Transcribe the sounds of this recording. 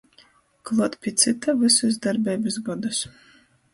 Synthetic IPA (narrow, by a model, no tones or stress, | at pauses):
klˠuɔt̪pʲiɛt̪sɨt̪avɨsusd̪aɾbʲɛːbʲɨsɡɔd̪us